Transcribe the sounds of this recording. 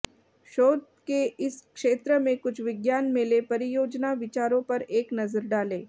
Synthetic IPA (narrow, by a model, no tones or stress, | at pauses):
ʃoːd̪ | keɪskʃeːt̪ɾəmẽkʊt͡ʃʰʋɪɡjaːnmẽːlepɐɾijoːd͡ʒnaʋɪt͡ʃaːɾõpɐɾeːknɐzəɾɖaːleː